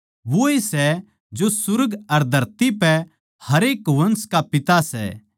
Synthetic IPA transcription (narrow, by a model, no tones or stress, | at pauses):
ʋoːisɛ | d͡ʒosʊɾɡɐɾd̪ʱɐɾt̪ipɛ | hɐɾeːkʋɐ̃nskapɪt̪asɛ̰